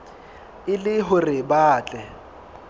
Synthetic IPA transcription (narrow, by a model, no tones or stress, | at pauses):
ɪlɪɦʊrɪbaːt͡ɬʼɛ